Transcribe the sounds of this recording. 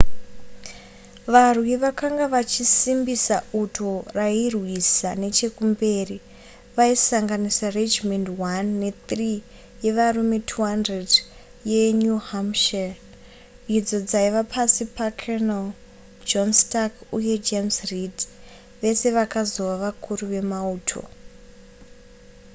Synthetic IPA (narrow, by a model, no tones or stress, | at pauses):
ʋarwiʋakaŋɡaʋat͡ʃisimbisautʰorairwisane̞t͡ʃe̞kumbe̞ːri | ʋaisaŋɡanisared͡ʒmendwanːe̞t̪ri | je̞ʋarumetʰuɦandred | je̞ɲuhamʃar | id͡zo̞d͡zaiʋapʰasipakʰenal | d͡ʒonstakuje̞d͡ʒemsrid | ʋe̞se̞ʋakazo̞ʋaʋakʰuruʋe̞mauːtʰo̞̰